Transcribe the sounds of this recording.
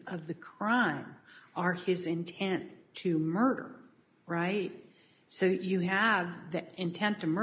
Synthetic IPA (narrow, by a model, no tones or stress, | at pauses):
ʌvðɨkʰɹ̥ãɪ̃mʔə˞ɪzɨ̃ntʰɛ̃ntʰɨmɜ˞ɾə̰˞ | ɹaɪt̚ | soʊjɨɨvðɨɪ̃ntʰɛ̃ntʰɨmə